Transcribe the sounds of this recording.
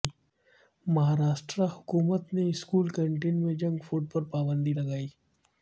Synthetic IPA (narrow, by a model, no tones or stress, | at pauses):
mɐɦaɾaːʃʈɾahu̥kumət̪neskuːlkəɳʈenmẽd͡ʒə̃ŋɡfuɖ̚pəɾpabənd̪iːlɐɡaːiː